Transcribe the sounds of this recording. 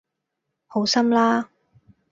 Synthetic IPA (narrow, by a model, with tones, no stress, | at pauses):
ho˨˥wsɐ˥mlaː˥